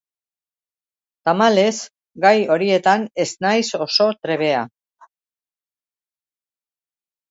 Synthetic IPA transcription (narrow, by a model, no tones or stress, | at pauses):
t̪amale̞s | ɡajo̞ɾie̞t̪ane̞snajso̞so̞t̪ɾe̞β̞e̞a